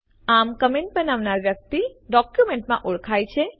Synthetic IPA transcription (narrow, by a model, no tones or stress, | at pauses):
amkəmeɳʈ̚bənaʋnaɾʋjək̚t̪iɖɔkjumẽɳʈmã̰ʔuɭkʰajt͡ʃʰe